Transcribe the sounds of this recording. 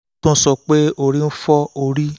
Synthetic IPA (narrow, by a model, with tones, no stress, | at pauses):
tõ˦sɔ˧k͡pe˦o˧˨ɾi˦˧n̩˦fɔ˦o˧˨ɾi˦